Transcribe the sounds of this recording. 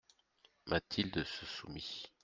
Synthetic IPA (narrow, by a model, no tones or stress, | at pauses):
mʔat̪ʰild̪əsəsumi